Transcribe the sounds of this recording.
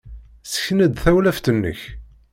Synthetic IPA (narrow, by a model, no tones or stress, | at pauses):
sə̥çnæd̪θæwlæft̪ənːə̰ç